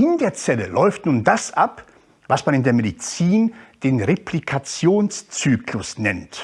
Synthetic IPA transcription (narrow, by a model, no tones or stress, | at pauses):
ɪndeːɐt͡sɛləlɔʏftnuːndasʔap | vasmanɪndeːɐmedit͡siːnd̥eːnʁepʰlikʰat͡sjoːnst͡syːklʊsnɛnt